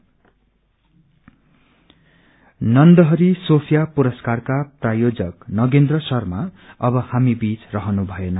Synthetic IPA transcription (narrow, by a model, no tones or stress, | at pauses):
nʌnd̪ʌɦʌɾisopʰjapuɾʌskarkaprajod͡zʌknʌɡend̪rʌsʌrma | ʌbʌhamibit͡srʌɦʌnubʱʌjenʌ